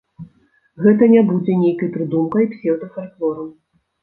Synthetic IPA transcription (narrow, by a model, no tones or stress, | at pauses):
ɣɛt̪ɐnʲabud͡zʲɛnʲejkɐjpɾɨd̪umkɐjpsʲɛwd̪ɨxat̪lɔɾɐw